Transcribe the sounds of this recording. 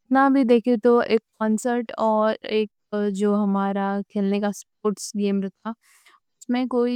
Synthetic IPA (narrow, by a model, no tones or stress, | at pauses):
ɪt̪nabʱid̪eːkʰet̪oeːkːɔ̃ːnsəɾʈɔːɾeːk | d͡ʒoːɦɐmaːɾakʰeːlnekaspoːɾʈsɡeːmɾɐɦt̪ʰa | ʊsmẽkoːi